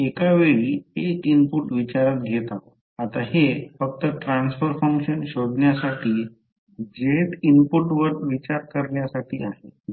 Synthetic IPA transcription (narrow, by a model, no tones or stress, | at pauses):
ekaʋeɭiːekimpuʈʋit͡ɕaɾat̪̚ɡʱet̪aɦo | at̪ahefək̚t̪əʈɾansfəɾfəŋkɕənɕod̪ɳjasaʈʰiː | d͡ʑet̪impuʈʋəɾʋit͡ɕaɾkəɾɳjasaʈʰiːaɦḛ